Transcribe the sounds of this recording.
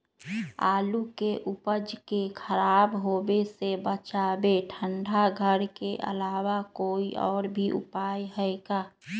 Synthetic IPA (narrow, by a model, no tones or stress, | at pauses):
a̰ːlukeʔupəd͡ʒkekʰəɾaːbɦoːbesebət͡ʃaːbeʈʰəɳɖʱaɡʱəɾkeʔə̰laːwakoːiʔɔːɾbʱiʔʊ̰paːjɦɛɛɡaː